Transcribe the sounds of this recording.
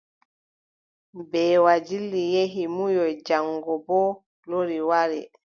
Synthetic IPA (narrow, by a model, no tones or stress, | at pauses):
bɛːwad͡ʒilːijeɦimujɔjd͡ʒaŋɡɔbɔ | loɾiwaɾɛ̰